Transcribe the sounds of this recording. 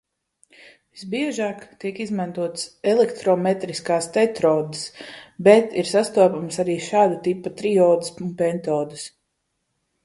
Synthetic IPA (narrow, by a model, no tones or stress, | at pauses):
visbiɛʒaːkt̪iɛkizmant̪uɔt̪sɛlˠɛkt̪ɾɔmɛt̪ɾiskaːst̪ɛt̪ɾɔːd̪ɨsbɛt̪iɾsast̪uɔpamsaɾiːʃaːd̪ut̪ipːat̪ɾiɔːd̪ɨsunpɛnt̪ɔːd̪ɨs